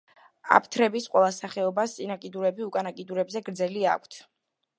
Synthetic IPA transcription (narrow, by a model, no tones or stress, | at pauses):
a̰pʰt̪ʰɾɛbisqʼwɛlˠasaχɛɔbast̪sʼinakʼid̪uɾɛbiukʼanakʼid̪uɾɛbzɛɡɾd̪zɛlia̰kʷʰt̪ʰ